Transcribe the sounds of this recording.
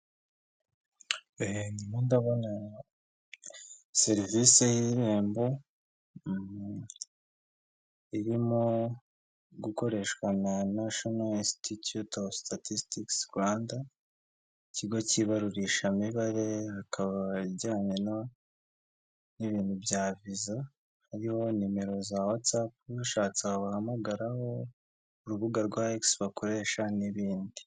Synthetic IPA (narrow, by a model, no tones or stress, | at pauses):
enimondaβo̞na | se̞ɾvisejiɾe̞ːmbo̞ | iɾimo | ɡuko̞ɾe̞ʃwananaʃonalĩnstitjutostʰatistiksɡwaːnda | iciɡo̞ciβaɾuɾiʃamiβaɾe̞hakʰaβaiβɟaːɲe̞no | niβiːndubɟaːviza | haɾiho̞nime̞ɾo̞zawat͡sap̚uʃaːt͡seaβuhamaɡaɾaho̞ | uɾuβuɡaɾɡwaeksβakoɾe̞ːʃaniβiːndi